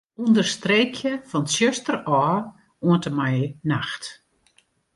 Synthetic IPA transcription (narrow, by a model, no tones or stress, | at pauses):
undərstreːkʰjəfɔnsjøstərɔː | uəntəmajnaxt